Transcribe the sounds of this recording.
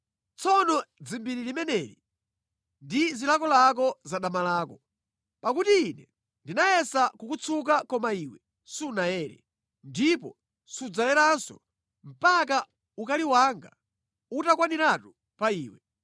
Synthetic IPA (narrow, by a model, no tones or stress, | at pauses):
t͡sʰɔnɔd͡zimbiɾilimɛnɛɾi | ndizilakɔlak̬ɔzaɗamalaːkɔ | pakutiːnɛ | ndinajɛsakukut͡sʰuk̬akɔmaiwɛ | sunajɛːɾɛ̰ | ndipɔ | sud͡zalɛɾansɔ̰ | m̩pak̬a | ukaliwaŋɡa | utakwaniɾatu | paiːwɛ